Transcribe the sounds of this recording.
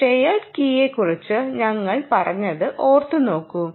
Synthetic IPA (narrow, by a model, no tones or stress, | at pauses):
ʈejɐkiːekurit͡ɕːɨɲɐŋːɐɭpɐrɐɲːɐðɨʔo̞ːrt̪ɨno̞ːkːum